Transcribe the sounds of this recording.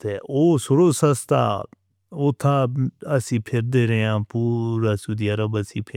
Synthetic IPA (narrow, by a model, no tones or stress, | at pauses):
t̪eːʔoːsʊɾoːsəst̪a̰ː | ot̪ʰaːəsĩːpʰɪɾd̪eːɾeãːpuːɾasud̪iəɾəbəsĩːpʰɪ